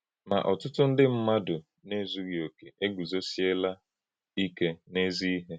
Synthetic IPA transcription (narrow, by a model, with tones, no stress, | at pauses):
ma̰˨ʔɔ˨tʊ˦tʊ˦n̩˦dɪ˦m̩˦ma˦dʊ˨ | ne˦zu˦ɾjo˨ke˨ʔe˦ɡu˨zo˦si˦e˦la˦ | i˦ke˦ne˦zi˦i˦ɦe˦